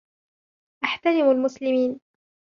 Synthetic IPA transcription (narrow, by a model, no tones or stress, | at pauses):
ʔaħt̪aɾɪmalmʊslɪmiːn